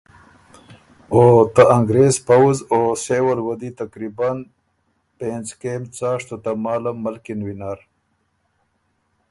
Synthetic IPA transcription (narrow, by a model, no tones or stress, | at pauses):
ot̪aʔaŋɡɾezpawuzosewɐɾwɐd̪it̪akɾiban | pẽnzkemt͡saːʂt̪ot̪amaːlammːəlkinwinaɾ